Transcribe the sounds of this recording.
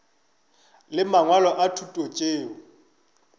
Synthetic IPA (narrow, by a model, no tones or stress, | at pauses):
lɪmaŋwalɔʔatʰutʼot͡ʃʼeːɔ